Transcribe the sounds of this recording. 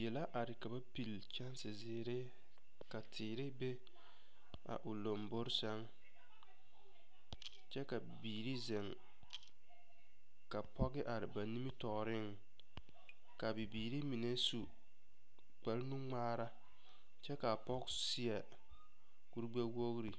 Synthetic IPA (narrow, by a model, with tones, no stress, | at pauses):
jɛ˨la˦ʔa˨ɾɪ˨ka˨ba˦pi˨l | t͡ʃa˦nsɪ˨zɪː˨ɾɪ˦ | ka˨tʰɪː˨ɾɪ˦be˦ | a̰˨ʔʊ˨lo˨mbʊ˦ɾsa˦ŋ | t͡ʃɛ˦ka˨biː˨ɾi˦zɪ˨ŋ | ka˨pʰɔ˦ɣɪ˦ʔa˨ɾɪ˨ba˨ni˦mi˦tɔ˨ɾɪ˦ŋ | ka˨bi˨biː˨ɾi˦mi˨ne˦su˨ | k͡pɛ˨lnu˦ŋ͡maː˦ɾa˦ | t͡ʃɛ˦ka˨pɔ˦ksi˦ɛ˨ | ku˦ɾɡ͡ba˦wo˦ɣɾi˨